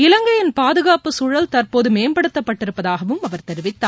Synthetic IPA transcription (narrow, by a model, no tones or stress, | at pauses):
ɪlɐŋɡɐjɪnpaːðɯɣaːpɯsuːɻɐlt̪ɐrpoːðɯmeːmbɐɽɯt̪ːɐpːɐʈːɪɾɯpːɐðaːɣɐʋɯmɐʋɐɾt̪ɛɾɪʋɪt̪ːaː